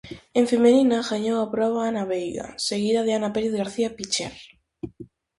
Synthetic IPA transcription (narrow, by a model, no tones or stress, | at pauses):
eɱfemeninaɣaɲowapɾɔβ̞aanaβejɣa̰seɣiðaðeanapeɾiðɣaɾθiapit͡ʃɛ̰ɾ